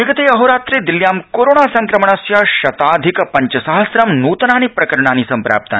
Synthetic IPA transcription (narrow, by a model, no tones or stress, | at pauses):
ʋiɡɐt̪eːɐɦoɾaːt̪ɾeːd̪iljaːmkoːɾoːɳaːsɐ̃ŋkɾɐmɐɳ̃ɐsjaʃɐt̪aːd̪ʱikpɐɲt͡ʃɐsaɦɐsɾɐmnuːt̪naːnipɾɐkɐɾɳ̃aːnisɐmpɾa̰ːp̚t̪a̰n